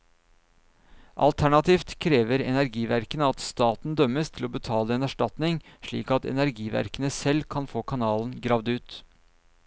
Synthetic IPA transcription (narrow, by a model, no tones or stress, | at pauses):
ʔɑ̰lt̪ʰæɳɑt̪ʰiːft̪kʰɾeːʋəɾɛnæɾɡiːʋæɾkənəɑt̪st̪ɑːt̪n̩d̪œməst̪ʰɪloːbət̪ʰɑːləeːnæʂʈɑt̪nɪŋʂɭḭːkɑt̪ɛ̰næɾɡiːʋæ̰ɾkənəsɛlkʰɑnfoːkʰɑnɑːln̩ɡɾɑːʋd̪ʉːt̪